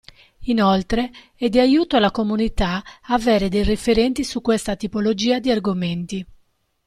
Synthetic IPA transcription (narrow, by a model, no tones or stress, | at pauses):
inolt̪ɾe | ɛd̪iajuːt̪oalakomunit̪aaveːɾed̪ejrefeɾɛnt̪isukːwest̪at̪ipolod͡ʒiːad̪iarɡoment̪i